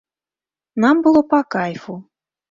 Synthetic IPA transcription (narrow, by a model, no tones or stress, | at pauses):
nambɨlˠopakajfu